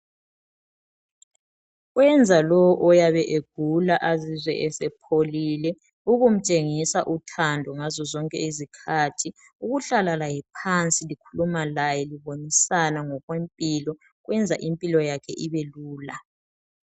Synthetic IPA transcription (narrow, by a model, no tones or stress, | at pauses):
wɛnd͡zʱalɔwɔʔɔjaβɛʔeɡ̥ʱulaʔazizwɛ̰ʔɛsɛpʰolilɛ | uɣum̩t͡ʃʼeŋisaʔutʰandʱɔŋazɔzɔŋkʼɛ̰izikʰaːtʰi | uɣuɬalalajɛpʰant͡sʼilikʰulumalajɛliβonisanaŋɔɣwempʼilɔ | ɣwɛnd͡zʱa̰ʔimpʼilɔjakʰɛʔiβeluːla